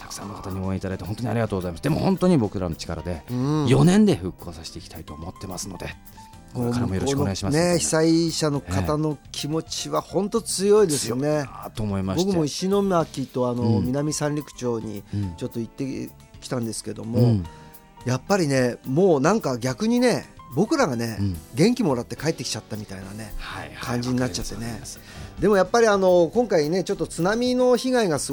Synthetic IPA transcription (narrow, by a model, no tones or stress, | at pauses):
t̪ʰḁkɯ̟̥sã̰nːokḁt̪aɲ̟ioːẽit̪ad̪ait̪ehont̪oɲiaɾʲiɡat̪oːɡozaimasɨd̪e̞mo̞̰hõ̞nt̪o̞ɲ̟ibo̞kɯ̟ɾa̰no̞t͡ɕi̥kaɾa̰d̪e̞ɯ̃jo̞nẽ̞nd̪e̞ɸɯ̟kːo̞ːsaɕi̥t̪e̞ikʲi̥t̪ait̪o̞ːmo̞t̪ːe̞masɨnod̪e | koɾmojoɾonoeɡaimane̞çi̥saiɕano̞kat̪ano̞kʲʰimo̞t͡ɕiβahõ̞nt̪o̞t͡sɨjo̞id̪e̞sɨjo̞ne̞t̪omoimaɕbo̞kɯmo̞iɕino̞makʲːit̪o̞ano̞mʲinamʲisãnʲɾʲikɯ̟̥t͡ɕo̞ːɲ̟ḭt͡ɕo̞t̪ːo̞it̪ːe̞ | kʲi̥t̪ãnd̪e̞sɨ̥ke̞d̪o̞̰mo̞ | japːaɾʲine̞moːnãŋkaɡʲakɯ̟ɲ̟ine̞bo̞kɯ̟ɾaɡane̞ɡẽ̞ŋkʲimo̞ɾat̪ːe̞kaet̪ːe̞kʲi̥t͡ɕat̪ːamʲit̪ainane̞hkʰãɲ̟d͡ʑiɲ̟inat͡ɕːat̪ːene̞ | d̪e̞mo̞japːaɾʲiano̞kõŋkaine̞t͡ɕo̞t̪ːo̞t͡sɨnamʲino̞çiɡaiɡasɨ